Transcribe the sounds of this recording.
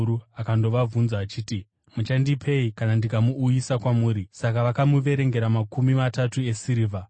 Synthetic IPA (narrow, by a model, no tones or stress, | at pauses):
uakando̞ʋavunzaːt͡ʃiːti | mut͡ʃandipʰe̞ikanandikamuːjisakwamuːɾisakaʋakamuʋe̞ɾe̞ŋɡe̞ɾamakumimatatue̞siɾiːva